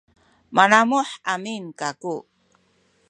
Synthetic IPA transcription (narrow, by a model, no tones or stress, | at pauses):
manamʊħaminkaku